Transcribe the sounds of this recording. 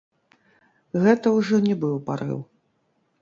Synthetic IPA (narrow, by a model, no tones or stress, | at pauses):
ɣɛt̪ɐwʐɔnʲɛbɨwpaɾɨ̰w